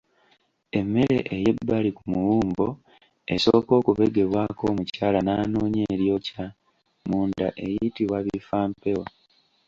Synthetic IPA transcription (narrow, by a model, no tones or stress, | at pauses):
e̞mːe̞ɾe̞ʔeje̞bːalikumuwuːmbo̞ | e̞so̞ːko̞ːkuβe̞ɡe̞βwako̞ːmucaːlanaːnoːɲeːɾjo̞ca | muːndaʔe̞jitiβwaβifaːmpe̞wa